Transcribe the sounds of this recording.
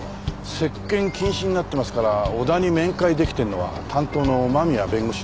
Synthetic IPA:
se̞kːẽ̞ŋkʲĩɰ̃ɕĩɲ̟ːinat̪ːe̞masɨ̥kaɾaod̪aɲ̟imẽ̞ŋkaid̪e̞kʲi̥t̪e̞no̞βa̰t̪ʰãnt̪o̞ːnomamʲija̰bẽ̞ŋɡo̞ɕi

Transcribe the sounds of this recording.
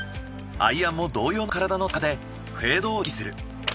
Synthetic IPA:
a̰iãmːo̞d̪o̞ːjo̞ːnkaɾad̪anokad̪e̞ | ɸe̞ːd̪o̞ːkʲi̥sɨɾɯ̟

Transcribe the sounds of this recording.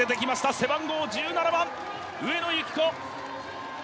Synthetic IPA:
e̞t̪e̞kʲimaɕi̥t̪ase̞bãŋɡo̞ːd͡ʑɨːnanabãŋ | ɯ̟e̞no̞jɯkʲi̥ko̞

